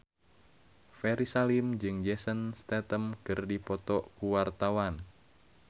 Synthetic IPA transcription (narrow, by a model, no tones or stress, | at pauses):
fɛɾisalimd͡ʒɨŋd͡ʒɛsənst̪ɛt̪əmkɨrdipɔt̪ɔʔkuwart̪awan